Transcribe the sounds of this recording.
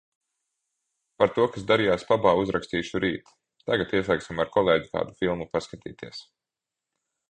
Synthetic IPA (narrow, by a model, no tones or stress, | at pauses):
paɾt̪uɔkas̬d̪aɾijaːspabaːuzɾakst̪iːʃuɾiːt̪ | t̪aɡat̪iɛsaːksimaɾkʰɔlˠeːɟika̰ːd̪ufilˠmupaskat̪ḭːt̪iɛs